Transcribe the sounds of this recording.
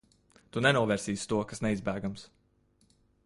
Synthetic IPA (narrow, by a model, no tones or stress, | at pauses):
t̪unɛnuɔvɛːɾsiːst̪uɔkasnɛizbæːɡams